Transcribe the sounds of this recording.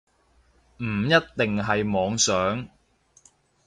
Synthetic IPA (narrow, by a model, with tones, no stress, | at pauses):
m̩ː˨˩jɐ˥t̚t̪ɪ˨ŋɦɐ˨jmɔː˨˧ŋsœː˨˥ŋ